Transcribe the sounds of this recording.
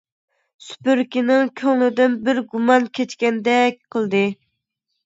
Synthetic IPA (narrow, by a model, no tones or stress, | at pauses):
sy̥pyɾkʲinɪŋkʲʰøŋlɪd̪ɪnbɪɾɡumɑnkʲʰɛt͡ʃkʲɛnd̪ɛkʲqʰəlˠd̪ɨ